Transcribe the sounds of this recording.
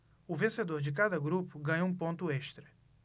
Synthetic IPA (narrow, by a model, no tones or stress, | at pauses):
ʊvẽsed̪oɾd͡ʒɪkad̪ɐɡɾupʊɡɐ̃ɲoũpõnt̪ʊɛʃt̪ɾɐ